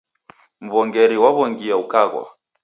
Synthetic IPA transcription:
m̩βɔŋɡɛɾiwaβɔŋɡiaukaɣwa̰

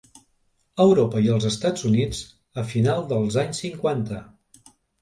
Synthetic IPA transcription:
əwɾopəiəlˠzəst̪ad͡zunid͡z | əfinalˠd̪əlˠzaɲsːiŋkwant̪ə

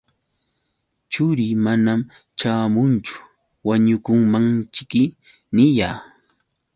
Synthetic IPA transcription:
t͡ʃʊɾimanam | t͡ʃaːmʊnt͡ʃʊ̥ | waɲʊkʊŋmaŋt͡ʃɪkɪ | nɪjaː

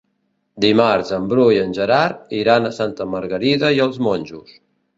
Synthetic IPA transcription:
d̪imaɾzəmbɾujənʲʒəɾaɾiɾanəsant̪əməɾɣəɾiðəiəlˠzmonʲʒus

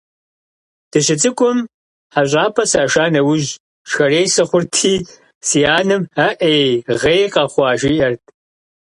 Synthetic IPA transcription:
d̥ɨɕɪt͡sʼɨkʷʼʊm | ħaɕʷʼaːpʰɐsaːʃaːnɐwʊʒ | ʃxɐreːjsɐχʷʊrtʰiː | sijaːnɨmɐʔejʁeːjqɑχʷɑːʒiːʔɐrtʰʼ

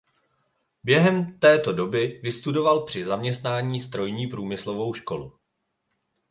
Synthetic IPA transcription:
bjɛɦɛmt̪ɛːt̪o̞do̞bɪvɪst̪udo̞valpr̝̥ɪzamɲɛst̪naːɲiːst̪ɾo̞jɲiːpɾuːmɪslo̞vo̞wʃko̞lu

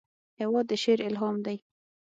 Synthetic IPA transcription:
hewɑd̪ːəʃeɾɪlɦɑmd̪aj

